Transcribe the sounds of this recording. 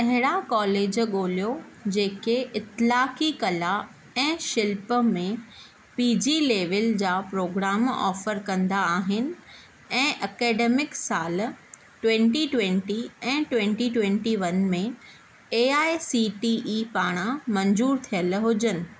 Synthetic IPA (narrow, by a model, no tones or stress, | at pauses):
t̪ɐ̃ɦɪɽ̃akɔːleːd͡ʑɠoːlijod͡ʑeːkeʔɪt̪laːkikɐla | ɛ̃ːʃɪlpəmẽ | piːd͡ʑileːʋəld͡ʑaːpɾoːɡɾaːmɔ̰ːfəɾkɐ̃nd̪aaːɦɪnɪ̆ | ɛ̃ːʔɐkɛːɖeːmɪksaːl | ʈwẽɳʈiʈwẽɳʈiɛ̃ːʈwẽɳʈiʈwẽɳʈiʋɐnmẽ | eːaːesiʈiʔiːpaːɽ̃amɐɲzuːɾt̪ʰijəlɦʊd͡ʑənɪ̆